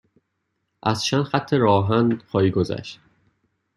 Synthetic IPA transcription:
ʔæz̥t͡ʃʰænd̪̥χæt̪ʰːeɾɒːɦænd̪xʰɒːiːɡozæ̰ʃt̪̚

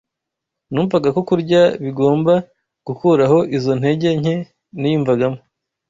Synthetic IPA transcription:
nuːɱvaɡakokuɾɟaβiɡo̞ːmba | ɡ̥ukuːɾaho̞ʔizo̞n̥he̞ɟe̞ɲhe̞ | nijiɱvaɡamo

